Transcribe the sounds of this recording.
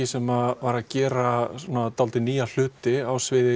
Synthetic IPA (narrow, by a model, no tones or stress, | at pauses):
ɪsɛmavaɾaðcɛːɾasuɔnat̪alt̪ɪniːjal̥ʏːt̪ɪawsvɪðɪ